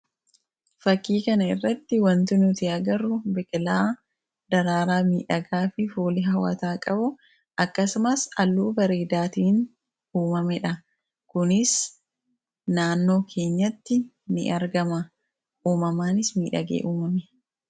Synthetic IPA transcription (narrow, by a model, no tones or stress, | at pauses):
fɐkːiːkɐnɐɪ̰rːɐt̪ːɪwɐnt̪ʊnʊt̪ɪɐɡɐɾʊbɛkʼɪlaː | d̪ɐɾaːɾaːmiːᶑɐɡaːfɪfuːlɪɦɐwɐ̰t̪aːkʼɐbʊ | ʔɐkːɐsʊmɐsɐlːuːbɐɾeːd̪aːt̪iːn | uːmɐmɛᶑɐ | kʊnɪs | naːnːo̞ːkʰe̞ːɲːɐt̪ːɪ | nɪ̰ʔɐɾɡɐmɐ | uːmɐmaːnɪsmiːᶑɐ̰ɡḛːʔuːmɐmɛ